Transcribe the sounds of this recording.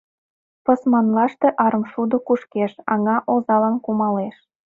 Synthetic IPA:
pəsmɑnlɑʃt̪eʔɑɾə̆mʃud̪okuʃkeʃɑŋɑʔozɑlɑnkumɑleʃ

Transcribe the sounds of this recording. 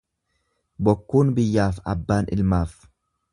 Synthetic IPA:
bɔkːuːnbɪjːaːfɐbːaːnɪ̰lmaːf

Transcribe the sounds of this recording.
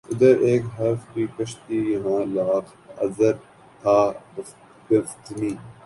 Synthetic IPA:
ɪd̪əɾeːkɦɐɾfkikɐʃt̪ijɐɦãːlaːq | ɐ̰zəɾ | t̪ʰaːbɐ | ɡɐft̪mĩː

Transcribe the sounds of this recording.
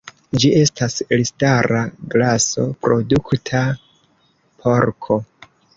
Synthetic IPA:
d͡ʒiʔe̞staslistaɾaɡlaso̞̰pɾo̞duktʰa | pʰo̞ɾkʰo̞

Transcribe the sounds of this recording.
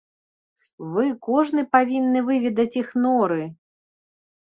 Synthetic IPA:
vɨkɔʐnɨpavʲinːɨvɨvʲid̪ɐt͡sʲixnɔɾɨ

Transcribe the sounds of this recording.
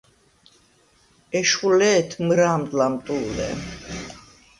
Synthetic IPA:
ɛʃulɛːt̪ʰmɾaːmd̪lamt̪ʼulɛ̰

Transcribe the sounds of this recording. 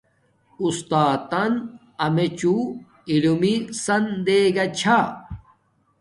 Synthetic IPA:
ust̪aːt̪ɐn | ɐmet͡ɕu | ilumisɐnd̪eːɡɐt͡ɕʰa

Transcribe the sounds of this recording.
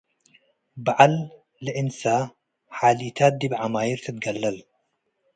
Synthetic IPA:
bʕalː | ɨʔɪnsaː | ħaːliːt̪ʰaːt̪̚d̪iːbʕamaːjiɾt̪ʰɨt̪̚ɡɐlːɐl

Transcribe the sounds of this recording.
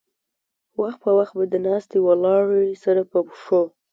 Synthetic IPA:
waxt̪̚pəwaxt̪̚bad̪ənɑst̪ewalɑɽsaɾapəpʂo

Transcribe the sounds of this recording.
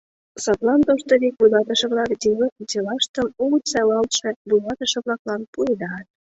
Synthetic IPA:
sɑt̪lɑnt̪oʃt̪əɾek̚bujlɑt̪əʃĕβlɑkd̪iləkut̪elɑʃt̪əmuɣsælɑlʃĕbulɑt̪əʃĕβlɑklɑnpujd̪ɑt̪̚

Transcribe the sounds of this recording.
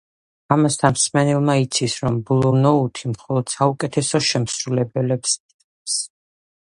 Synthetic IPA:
amast̪ʰanmsmɛnɛlˠmait̪sʰisɾɔmbulˠuɾnɔut̪ʰimχɔlˠɔd̪̥saukʼɛt̪ʰɛsɔʃɛmsɾulɛbɛlɛpsʼ | ɛps

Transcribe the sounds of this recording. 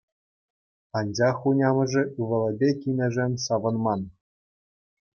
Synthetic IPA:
ɑnʲd͡ʑɑχunʲɑmɤ̆ʐɘ̆ʔɯʋɤ̆lʲˠɘ̆bʲekʲinʲɘ̆ʐɘnʲsɑʋɤ̆nmɑn

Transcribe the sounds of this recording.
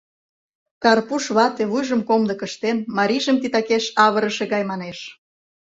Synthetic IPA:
kɑrpuʃβɑt̪eβujʒə̆mkomd̪ə̆kə̆ʃt̪enmɑɾʲiʒəmt̪it̪ɑkeʃɑβəɾəʃeɣɑjmɑneʃ

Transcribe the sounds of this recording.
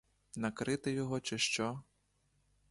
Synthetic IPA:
nɐkɾɪt̪ɪjɔɦɔt͡ʃɛʃt͡ʃɔ

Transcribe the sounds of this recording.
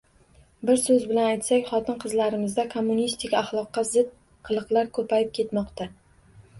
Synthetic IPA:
bɪɾsɵzbɪlanajt̪sakʲχɒt̪ʰɪnqʰɨzlaɾɪmɪzd̪akʰomːunist̪ʰɪkʲɑχlˠɒqːɑzɪt̪̚ | qʰɨlˠɨqlˠaɾkʰɵpʰajɪp̚kʲʰe̞t̪mɒqt̪ʰa

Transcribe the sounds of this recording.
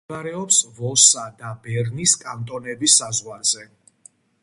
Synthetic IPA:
aɾɛɔpsvɔsad̪abɛɾniskʼant̪ʼɔnɛbisːazʁwaɾz̥ɛ

